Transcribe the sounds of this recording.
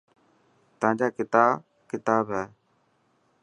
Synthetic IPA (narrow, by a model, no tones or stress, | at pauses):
t̪əãːd͡ʒaːkɪt̪aː | kɪt̪aːbaː